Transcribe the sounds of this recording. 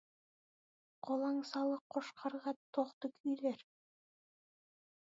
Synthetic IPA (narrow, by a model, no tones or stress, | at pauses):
qʰolˠɑŋsɑlˠɤqʰːoʃqʰɑɾʁɑt̪oqt̪okɵjlæɾ